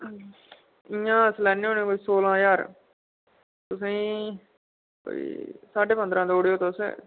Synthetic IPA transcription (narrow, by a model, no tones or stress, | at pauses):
ɪãːəslɛːnːeːoːnẽːkoːiːsoːlãːjaːɾ | t̪ʊsẽĩː | ko̰ːḭːsaːɖeːpənd̪ɾãːd̪oːɽejoːt̪osḛ